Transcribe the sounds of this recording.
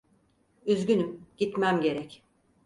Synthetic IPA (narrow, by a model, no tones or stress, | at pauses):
yzɡynymɟ̥it̪mæmɟe̞ɾɛc